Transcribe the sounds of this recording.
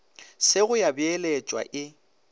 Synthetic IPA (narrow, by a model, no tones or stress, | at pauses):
sɪɣʊjabɪɛlɛt͡ʃʼwa̰ʔɪ